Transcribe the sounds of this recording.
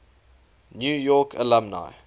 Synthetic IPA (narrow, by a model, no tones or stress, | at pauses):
njuːjɔkʰə̰lãmna̰ɪ